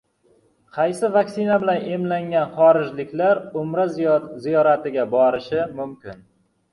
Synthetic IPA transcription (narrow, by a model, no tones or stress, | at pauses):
qʰɑjsɪvakʲsɪnabɪlane̞mlaŋɡʲanχɒɾɪd͡ʒlɪkʲlaɾʊmɾazijɒɾat̪ɪɡʲabɒɾɪʃɪmʊmkʲɪn